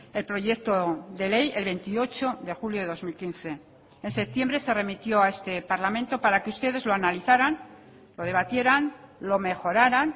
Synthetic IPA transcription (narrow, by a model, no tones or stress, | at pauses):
e̞lpɾo̞ʝe̞kt̪oðe̞leje̞lβe̞nt̪io̞t͡ʃo̞ðe̞xuljo̞ðe̞ðo̞zmilkinθe̞ː | nse̞p̚t̪je̞mbɾe̞se̞re̞mit̪jo̞ae̞st̪e̞paɾlamẽ̞nt̪o̞paɾakeust̪e̞ðe̞zloanaliθaɾan | lo̞ð̞e̞β̞at̪je̞ɾanlo̞me̞xo̞ɾaɾan